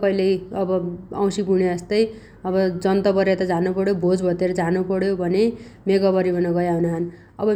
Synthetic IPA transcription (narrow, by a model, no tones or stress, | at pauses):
kʌilejʌbʌã̰w̃sipuneʌst̪ʌj | ʌbʌd͡zʌnt̪ʌbʌɾjet̪ʌd͡zanupʌɽjobʱod͡zbʱʌt̪eɾʌd͡zanupʌɽjobʱʌnemeɡʌbʌɾibʌnʌɡʌjaɦunaɦʌn | ʌbʌ